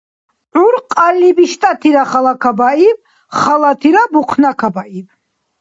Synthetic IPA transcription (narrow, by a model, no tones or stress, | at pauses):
ʕuɾqʼalːibiʃt̪ʼat̪ʰiɾaχalakʰabaiv | χalat̪ʰiɾabuqʰnakʰabaʔiv